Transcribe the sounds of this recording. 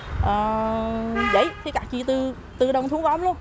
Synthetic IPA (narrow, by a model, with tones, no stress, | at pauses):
ʔəː˨˩ | və̰˧˩˨jt̪ʰi˨˦kaː˧˨˩k̚t͡ɕḭ˧˨t̪ɨ˧ | t̪ɨ˧ɗə˧wŋ͡mt̪ʰu˨˦ŋkɔ˨˦wmlu˧əm